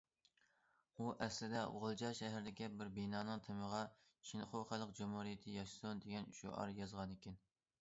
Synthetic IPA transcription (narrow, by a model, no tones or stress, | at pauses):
uʔɛslɪd̪ɛo̰ʁəlˠd͡ʒɑʃɛɦæɾɪd̪ɪkʲibɪɾbenɑːnɨŋt̪ʰɪməʁɑ | ʃʰinχoχæləqd͡ʒumhuɾijɪt̪ʰɪjɑʃsund̪eɡʲɛnʃo̰ʔɑ̰ɾjɑzʁɑnɪkʲɛn